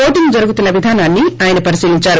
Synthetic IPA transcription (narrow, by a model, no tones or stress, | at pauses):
oːʈiŋud͡ʒɐɾuɡut̪unːɐʋid̪ʱaːnaːnːiaːjɐnɐpɐɾisiːliɲt͡ʃaːɾu